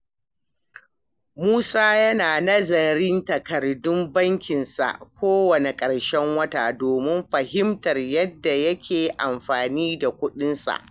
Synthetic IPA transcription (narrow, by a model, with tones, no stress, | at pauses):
muː˦saː˦jɐ˦naː˨nɐ˦zɐ˨ɾɪ˦ntɐ˨kɐ˨rdʊ˦mbɐ˦ŋkʲɪ˨nsa̰˨ʔkʷoː˦wɐ˨ne˨kʼɐ˨ɽʃɛ˦ŋwɐ˦ta̰ː˨doː˨mɪ˦mɸɐ˨hɪ˦mtɐ˨rjɐ˦dːa˨jɐ˦kʲʰeː˨ʔa˨mɸaː˨niː˦da˨kʷʊ˦ɗɪ˦nsa̰˨ʔ